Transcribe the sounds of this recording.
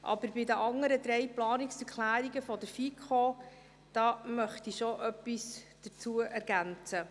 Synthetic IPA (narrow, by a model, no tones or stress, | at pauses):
ʔɑ̰b̥əɾbɪdəʔɑŋːəɾəd̪ɾɛjplɑːniksɛɾkχlæːɾiɡəfɔd̪əɾfikχo | d̥ɑːmœχt̪iʃoʔœpːisd̥əɾt͡suəʔæɾɡ̥ænt͡sə